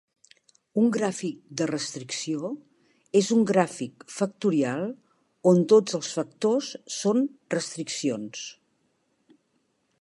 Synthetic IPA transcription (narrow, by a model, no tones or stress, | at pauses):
uŋɡɾafik̚d̪ərəst̪ɾiksio | ezuŋɡɾafikfək̚t̪uɾialˠ | ont̪od͡zəlˠsfək̚t̪osːonrəst̪ɾiksions